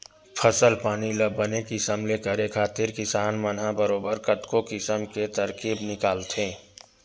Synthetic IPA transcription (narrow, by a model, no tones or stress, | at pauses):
pʰəsəlpaːniləbːənekisəmlekəɾekʰaːt̪ɪɾkɪsaːnmənɦãbəɾoːbəɾkɐt̪kokɪsəmket̪ɐɾkiːbnɪkaːlt̪ʰẽː